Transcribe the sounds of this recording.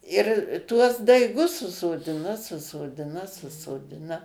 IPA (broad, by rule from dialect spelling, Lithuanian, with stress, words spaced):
ɪr tuɔs dɐɪˈɡʊs sʊsoːˈdʲɪnɐ sʊsoːˈdʲɪnɐ sʊsoːˈdʲɪnɐ